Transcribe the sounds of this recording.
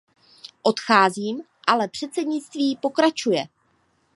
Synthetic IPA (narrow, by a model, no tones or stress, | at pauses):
ʔo̞t̪xaːziːm | ʔalɛpr̝̥ɛt̪t͡sɛdɲɪt͡st̪viːpo̞kɾat͡ʃujɛ